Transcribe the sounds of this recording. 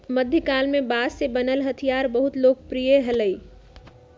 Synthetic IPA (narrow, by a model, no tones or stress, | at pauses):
məd̪ʱjəkalmebasːebənəlɦət̪ʰijaɾbəɦut̪lok̚pɾijəɦələj